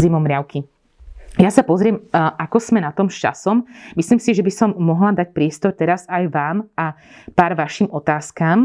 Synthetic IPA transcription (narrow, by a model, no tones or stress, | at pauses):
zimɔmɾɪaʊki | jasapɔzɾɪɛmʔakɔz̥mɛnat̪ɔmʃt͡ʃa̰sɔmmisliːmsiʒɛbisɔmːɔɦlad̪ac̚pɾɪɛst̪ɔɾt̪ɛɾazajʋaːma | paːɾʋaʃiːmɔt̪aːskaːm